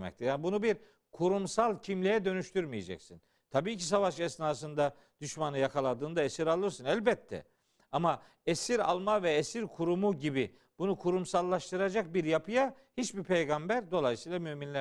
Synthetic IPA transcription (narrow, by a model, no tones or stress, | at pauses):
mɛ̰ct̪ʰijaːnbunubiɾ | kʰuɾumsalˠcʰimlʲijɛd̪ø̞nyʃt̪ʰyɾmijed͡ʒɛ̰csin | t̪ʰabiːcis̬avaʃɛsnaːs̬ɯnd̪a | d̪̥yʃmanɯjakʰalˠad̪ɯːnd̪aesiɾalˠɯɾsɯnælʲbɛt̪ʰːɛ̰ | ama | esiɾa̰lˠmavɛesiɾkʰuɾumuɟibi | b̥unukʰuɾumsalˠːaʃt̪ʰɯɾad͡ʒak̚biɾjapʰɯja | hit͡ʃbipʰejɡambæɾd̪o̞lˠajsɯijlˠamyminlʲæ